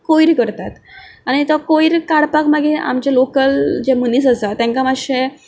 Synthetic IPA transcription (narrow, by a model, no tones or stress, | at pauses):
kojiɾikəɾt̪at̪aɽ̃it̪ɔkojiɾkaɽpakmaɡea̰mt͡ɕelokəld͡ʑeməniːsəsat̪jãŋkamaɕe